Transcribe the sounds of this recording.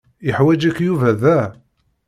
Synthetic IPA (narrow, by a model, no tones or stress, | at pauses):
jəħwæd͡ʒækːjuvæðæ